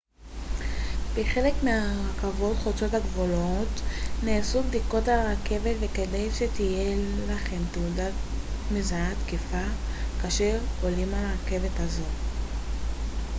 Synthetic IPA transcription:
b̥eχe̞le̞kmeaʁakavo̞tχot͡so̞taɡvolo̞tneasubd̪iko̞taake̞vetvekedejʃe̞t̪ije̞laχe̞mt̪euda | mizaat̪kifakaːʃe̞ʁko̞limalake̞ve̞thazo̞

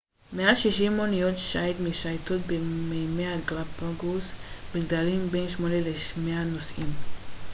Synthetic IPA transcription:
mealʃiʃimonijot̪ʃaetmiʃajt̪ot̪̚bemejmeaɡlapaɡusbiɡdalimbenʃmoneleʃmeanosʔim

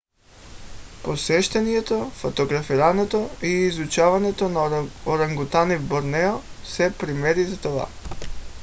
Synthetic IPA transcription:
posɛʃt̪ɛniɛt̪ofot̪oɡɾafiɾanɛt̪oiːzut͡ʃavanɛt̪onaoɾaŋɡut̪anivboɾnɛɔsɛpɾimɛɾizat̪ova̰

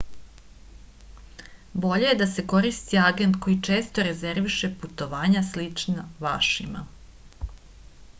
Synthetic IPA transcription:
bo̞ʎejed̪ase̞ko̞ɾist̪iaɡe̞nt̪ko̞jit͡ʂe̞ːst̪o̞ɾe̞ze̞ɾʋiʃe̞put̪o̞ʋaːɲaslit͡ʂnaʋaʃima̰

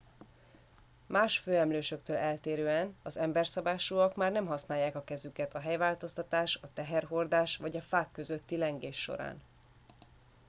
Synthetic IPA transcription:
maːʃføːɛmløːʃø̞kt̪øːlɛlt̪eːɾøːɛnɒzɛmbɛrsɒbaːʃuːɒkmaːrnɛmɦɒsnaːjːaːkɒkɛzykɛt̪ʰɒɦɛjvaːlt̪o̞st̪ɒt̪aːʃɒt̪ɛɦɛrɦo̞rd̪aːʃʋɒɟɒfaːkːø̞zøt̪ːilɛŋɡeːʃːo̞̰ɾa̰ːn

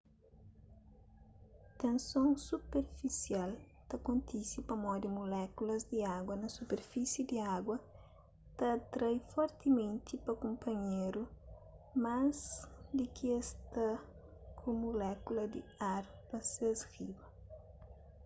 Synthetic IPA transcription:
t̪ẽnsõŋsupeɾfisial | t̪ɐkõnt̪isipɐmɔd̪imulɛkulɐzd̪iaɡwɐnɐsupeɾfisid̪iaɡwɐ | t̪ɐt̪ɾajfɔɾt̪imẽnt̪ipɐkõmpʰɐɲeɾu | mazd̪ikiest̪ɐ | kʰumulɛkulɐd̪iaɾ | pɐsesribɐ

